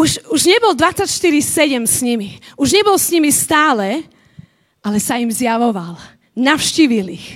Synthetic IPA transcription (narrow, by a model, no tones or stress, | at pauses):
uʃuʒɲɛbɔld̪ʋat͡sːacʃt̪iɾisɛɟɛmsɲimiuʒɲɛbɔlsɲimist̪aːlɛ | ʔalɛsaimzjaʋɔʋal | nafʊʃciːʋilix